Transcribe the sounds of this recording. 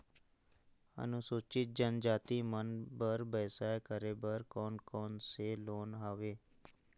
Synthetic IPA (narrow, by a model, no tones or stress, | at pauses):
ə̰nʊsoːt͡ʃɪt̪̚d͡ʒənd͡ʒaːt̪iːmənbəɾbəːsaːkəɾeːbəɾkɔːnkɔːnseːloːnɦaːʋeː